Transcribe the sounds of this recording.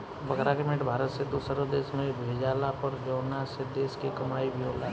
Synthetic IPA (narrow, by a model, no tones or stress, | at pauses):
bɐɡɾakemeʈbʱaːɾət̪sed̪usəɾod̪eːsmẽbʱeːd͡ʒaːlapɐɾd͡ʒəːnased̪eːskekɐmaːibʱiɦoːla